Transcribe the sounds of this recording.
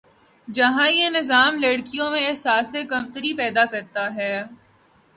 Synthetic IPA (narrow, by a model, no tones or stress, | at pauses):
d͡ʒɐɦãjenɪzaːmlɐɽkijõmẽsaːsekɐmt̪əɾipɛːd̪akɐɾt̪aɦɛː